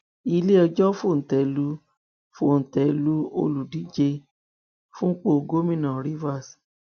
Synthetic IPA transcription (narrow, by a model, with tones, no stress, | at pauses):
i˧le˦ɔ˧d͡ʒɔ˦fo˦˨n̩˨tɛ˨˦lu˦ | fo˦˨n̩˨tɛ˨˦lu˦o̰˧lu˨di˨˦d͡ʒe˧ | fũ˦k͡po˦˧ɡo˦mĩ˦˨nã˨ɾi˦va˦˨s